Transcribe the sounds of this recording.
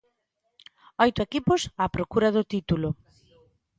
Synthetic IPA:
ɔjt̪ʊekipʊsaːpɾokuɾɐðʊt̪it̪ulʊ

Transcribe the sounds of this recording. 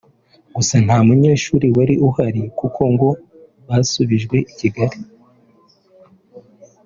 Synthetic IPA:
ɡusan̥haːmuɲe̞ːʃuːɾiwaɾiʔuhaɾikukʰo̞ŋɡo̞ | βasuβiʒɡwe̞ʔiciɡaɾi

